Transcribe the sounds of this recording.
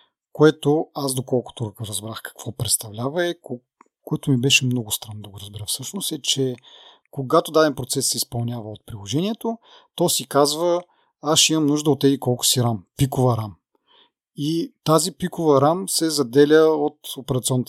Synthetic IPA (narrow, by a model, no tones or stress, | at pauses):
koɛt̪oazd̪okɔlˠkʊ̥t̪oɾɾɐzbɾaxkɐ̥kv̥ɔpɾɛt̪st̪ɐvlʲavəɛk | koɛt̪omibɛʃɛmnɔɡʊst̪ɾanːod̪ɐɡoɾɐzbɛɾəfsɤʃnost̪ɛt͡ʃɛ | koɡat̪od̪ad̪ɛnpɾot̪sɛsːɛispɐlˠnʲjavəot̪̚pɾilˠoʒɛniɛt̪o | t̪ɔsikazvə | aʃimɐmnuʒd̪əot̪ːɛzikɔlˠkʊ̥siɾampikovəɾam | it̪azipikovɐɾamsɛzɐd̪ɛlʲəot̪opɛɾɐt̪siɔnːət̪